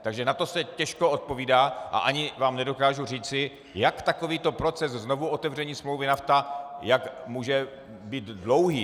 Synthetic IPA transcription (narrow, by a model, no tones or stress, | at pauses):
t̪aɡʒɛnat̪o̞sɛcɛʃkoot̪̚po̞viːdaːʔa̰ʔaɲɪvaːmnɛdo̞kaːʒuriːt͡sɪ | jakt̪akoviːt̪o̞pɾo̞t͡sɛszno̞vuʔo̞t̪ɛvr̝ɛɲiːsmlo̞wvɪnaft̪ajakmuːʒɛ | biːt̪dlo̞wɦiː